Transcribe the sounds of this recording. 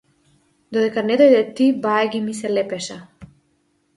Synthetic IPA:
d̪ɔd̪ɛkanɛd̪ɔjd̪ɛt̪ibaɛɡʲimisɛlɛpɛʃa

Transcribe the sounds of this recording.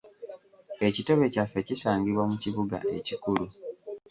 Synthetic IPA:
e̞cito̞βe̞cafːecisaːŋɡiβwamuciβuɡa̰ʔe̞cikulu

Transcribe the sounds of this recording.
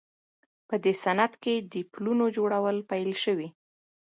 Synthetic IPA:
pəd̪esanad̪ked̪əplunod͡ʒoɽawəlpajlʃəwi

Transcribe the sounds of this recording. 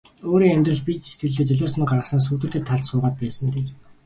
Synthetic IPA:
oːɾiːŋæmʲt̪rə̆ɮpit͡ɕset̪̚ɡɘ̆ɮeːt͡ɕœɮoːsnĭːɢarʁə̆sə̆ns̬uːt̪ɘ̆t̪ɘ̆t̪ʰːaɮt̪sʊːʁaːt̪̚pæːsə̆nt̪eː

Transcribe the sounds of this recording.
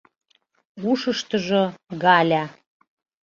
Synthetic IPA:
uʃɤʃt̪ə̆ʒoɣɑlʲæ

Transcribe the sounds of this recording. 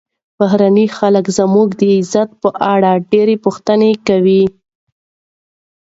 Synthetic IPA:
baɦɾanixaləkzəmuɡd̪əɪzat̪̚pəʔaɽaɖeɾepuxt̪ənekawi

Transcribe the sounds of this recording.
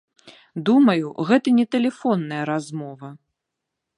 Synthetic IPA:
d̪umɐjuɣɛt̪ɐnʲɛt̪ɛlʲɛfɔnːɐjɐɾazmɔvɐ

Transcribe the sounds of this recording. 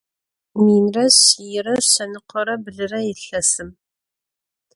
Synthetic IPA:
miːnrɐɕijɪɾɐɕɐnɨqʷʰɔɾɐbɨɮɨrɐjɪɬɐsɨm

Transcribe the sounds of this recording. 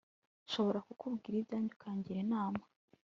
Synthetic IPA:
ʃo̞βo̞ɾakukubɡiːɾibɟaːɲɟukʰaːɲɟiɾe̞naːma

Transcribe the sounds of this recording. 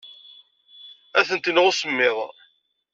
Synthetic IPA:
æθənt̪inʁʊsəmːɪðˤ

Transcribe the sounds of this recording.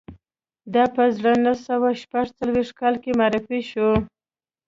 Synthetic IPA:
d̪ɑpəzɽənasawaʃpaʐt͡salweʂt̚kɑlkemaɾɪfiʃu

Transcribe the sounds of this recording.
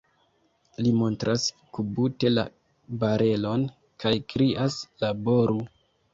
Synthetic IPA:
limo̞ntɾʔas | kubute̞la̰ | baɾe̞lo̞n | kajkɾiʔaslabo̞ɾu

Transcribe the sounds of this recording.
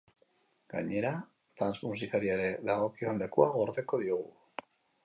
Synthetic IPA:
ɡ̥a̰ɲe̞ɾa | t̪anzmus̬ikaɾiaɾeðaɣo̞kionle̞kuaɣo̞ɾðe̞ko̞ðioɣ̞u

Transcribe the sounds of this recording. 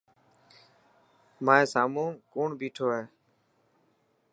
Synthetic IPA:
mãːẽːsaːmũːkoːɳbiːʈʰoːɦɛː

